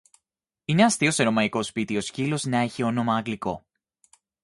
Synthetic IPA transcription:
ineɐst̪iose̞ɾo̞mɐiko̞spit̪io̞scilo̞znɐe̞çio̞no̞mɐːŋɡliko̞

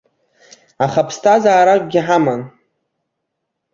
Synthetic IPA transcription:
aχapʰstʰazaːɾakʷʼɡʲɪħaman

